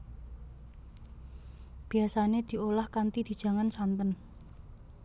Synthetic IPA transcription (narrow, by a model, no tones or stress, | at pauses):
b̥i̤asaned̪̥i̤olahkant̪id̪̥i̤d̥ʒ̥ä̤ŋansant̪ən